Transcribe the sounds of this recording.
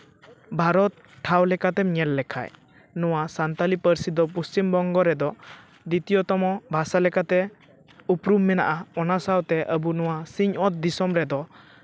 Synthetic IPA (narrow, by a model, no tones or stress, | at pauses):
bʱaɾɔt̪̚ | ʈʰːawlɛkat̪ɛɲɛlːɛkʰa̰j | nɔwasant̪alipəɾsid̪ɔpust͡ʃimbɔŋɡɔɾɛd̪ɔ | d̪it̪ijɔt̪ɔmɔbʱasalɛkat̪ɛ | upɾumːɛna̰ʔaɔnasawt̪ɛʔəbunɔwasiɲɔt̪̚d̪isɔmɾɛd̪ɔ